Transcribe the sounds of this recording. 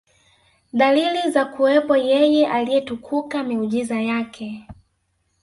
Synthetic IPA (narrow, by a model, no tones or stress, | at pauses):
ɗalilizakuwɛpɔjɛjɛʔalijɛtukʰukamɛuʄizajakʰɛ